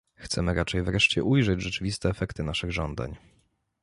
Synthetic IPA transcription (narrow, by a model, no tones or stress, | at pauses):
xt̪sɛmɘɾat͡ʂɛjvɾɛʂt͡ɕɛ̰ʔujʐɛd͡ʑʐɛt͡ʂɘvʲist̪ɛːfɛkt̪ɘnaʂɘɣʐɔnd̪a̰ɲ